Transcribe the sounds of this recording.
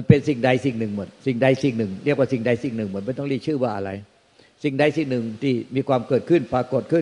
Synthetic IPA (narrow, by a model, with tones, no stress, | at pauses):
ma˧npe˧nsi˨˩ŋda˧jsi˨˩ŋnɯ˨˩ŋmɯ˨˦ənsi˨˩ŋda˧jsi˨˩ŋnɯ˨˩ŋɾi˥˩əkwaː˥˩i˨˩ŋda˧jsi˨˩ŋnɯ˨˩ŋmɯ˨˦nma˧˥˩t̪ɔ˥˩ŋliː˧˥˩t͡ɕʰɯː˥˩waː˧˩ʔa̰˧ɾa̰˧j | si˨˩ŋda˧jsi˨˩ŋnɯ˨˩ŋt̪ʰiː˧˥˩miː˧kʰwaː˧mkɤː˨˩t̪̚kʰɯ˥˩npaː˧ko˨˩t̪̚kʰɯ˥˩˨n